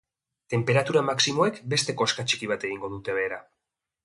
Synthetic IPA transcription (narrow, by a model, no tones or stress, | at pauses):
t̪e̞mpe̞ɾat̪uɾamaksimo̞e̞kbe̞st̪e̞ko̞skat͡ʃi̥kiβ̞at̪e̞ɣ̞iŋɡo̞ðut̪e̞β̞e̞ːɾa